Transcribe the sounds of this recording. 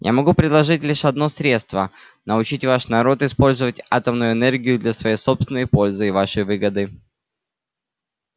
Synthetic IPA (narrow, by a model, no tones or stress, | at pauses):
ja̰mɐɡupɾʲɪd̪lˠɐʐɨtʲlʲiʂɐd̪no̞sɾʲet̪st̪və | nəʊt͡ɕitʲvaʂnɐɾo̞t̪ɪspo̞lʲzəvətʲa̰t̪əmnʊjʊɛnerɡʲɪjʊd̪lʲɐsvɐjejso̞pst̪ʲɪnːəjpo̞lʲzɨɪvaʂəjvɨɡəd̪ɨ